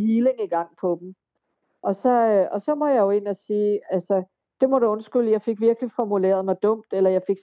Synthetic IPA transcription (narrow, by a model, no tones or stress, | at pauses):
hiːle̝ŋiɡ̥ɑ̈ŋ̰pʰɒ̽b̥m̩ | ʔɒ̽sɒ̽ɒ̽sɒ̽mɒ̥jɑ̈jo̝e̝n̰æsiːælsə | d̥e̝mɒɾ̥eɔ̽nsɡ̥yl̰jɑ̈ɪfe̝ɡ̥ʋiɐɡ̥lifɒmule̝̰ːɐðˠmɑ̈ɪd̥ɔ̽m̰d̥elɐjɑ̈ɪfe̝ɡ̥s